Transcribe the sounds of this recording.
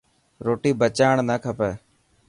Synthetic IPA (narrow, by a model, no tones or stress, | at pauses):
ɾoːʈiːbət͡ʃaːɳnəːkʰəpɛː